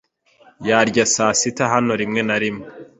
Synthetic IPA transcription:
jaɾɟasaːsitaɦano̞ɾimŋe̞naɾimo

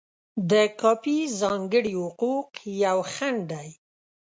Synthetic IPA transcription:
d̪əkɑpizɑŋɡəɽihʊquqjawxaɳɖaj

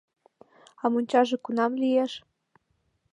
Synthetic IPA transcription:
ɑmunʲt͡ɕɑʒĕkunɑmlʲieʃ

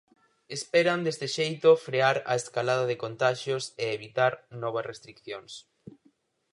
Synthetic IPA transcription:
espɛɾɐnd̪est̪eʃejt̪ʊfɾeaɾa̰eskalað̞ɐðɪkont̪aʃjoseːβit̪aɾnɔβ̞ɐsrest̪ɾikθjoŋs

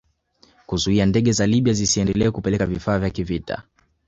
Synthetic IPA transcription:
kuzuiandɛɠɛzaliɓiazisiɛndɛlɛɛkupɛlɛkavifaːvjakivita̰

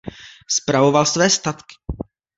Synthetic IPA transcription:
spɾavo̞valsvɛːst̪at̪kɪ̥

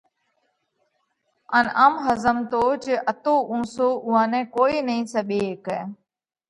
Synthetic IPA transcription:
ənəmɦəzəmt̪oːt͡ʃəʔət̪oːʔũːsoːʔʊɦãːnɛ̃ːkoːiːnəĩːsəɓeːkɛː

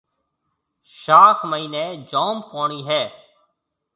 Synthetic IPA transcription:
ʃaːkʰməiːnẽːd͡ʒɔːmpõːɳiːɦɛː

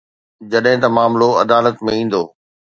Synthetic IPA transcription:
d͡ʑɐɗɦɪ̃t̪ɐmaːmloɐd̪aːlət̪mẽĩːn̆d̪oː

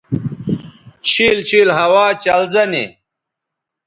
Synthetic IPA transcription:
t͡ɕʰiːlt͡ɕʰiːlɦɐwaːt͡ɕɐlzɐnḭ

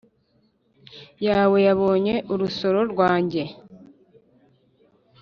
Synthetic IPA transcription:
jaːwe̞jaβo̞ːɲe̞ʔuɾuso̞ɾo̞ɾwaːɲɟe̞

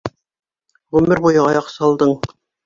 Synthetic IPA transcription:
ʁʉmɘɾbujɤɑjɑqsɑlˠd̪ɤɴ

